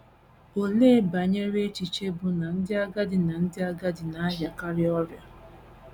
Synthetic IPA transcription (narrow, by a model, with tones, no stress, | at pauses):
o˨leː˦ba˨ɲe˦ɾe˦t͡ʃi˨t͡ʃe˦bʊ˨na˨n̩˦dɪ˦a˦ɡa˦dɪ˨na˨n̩˦dɪ˦a˦ɡa˦dɪ˨na˨a˦ɦja˨ka˦ɾɪ˦ɔ˦ɾja˨